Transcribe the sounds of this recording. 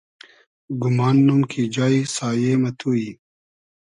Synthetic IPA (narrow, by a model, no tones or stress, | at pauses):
ɡumaːnːumkʰid͡ʑaːisaːjeːmɐt̪ʰuːi